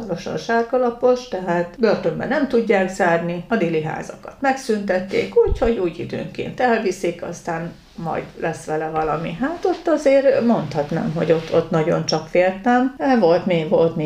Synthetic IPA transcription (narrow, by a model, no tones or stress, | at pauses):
oɾoʃɒ̰nʃaːrɡɒlɒpo̞ʃt̪ɛɦaːt̪bø̞rt̪ø̞mbɛ̰nɛmt̪uɟːaːɡzaːrniɒd̪eːliɦa̰ːzɒ̰kɒt̪mɛksynt̪ɛt̪ːḛːkuːcho̞ɟuːjḭd̪ø̰ːŋkḛːnt̪ɛlvisikɒ̰st̪aːn | mɒ̰jd̪lʔɛsʋɛlɛvɒlɒmiɦat̪o̞t̪ːɒzeːrmo̞nt̪hɒt̪na̰ːmɦo̞̰ɟo̞t̪ʰːo̞t̪nɒɟo̞̰nt͡ʃɒkfeːlt̪ɛmɛvo̞lt̪meːɡʋo̞lt̪meː